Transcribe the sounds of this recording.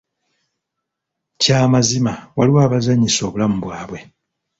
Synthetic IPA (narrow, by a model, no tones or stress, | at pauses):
caːmazimawaliwaːβazaɲiso̞ːβulamubwaːβwe̞